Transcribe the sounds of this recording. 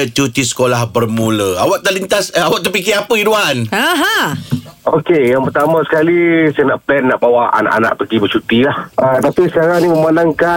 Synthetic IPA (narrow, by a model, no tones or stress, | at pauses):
t͡ʃut̪isə̥kolahbərmũləawaʔ̚t̪əʔlint̪asəawaʔt̪ərpikɪapəiduanaɦa | okejaŋpərt̪amãsə̥kalisənaʔbɛnːaʔbawaa̰na̰ʔa̰na̰ʔpəɡibət͡ʃut̪ilahət̪apisəkaɾaniməmanaŋka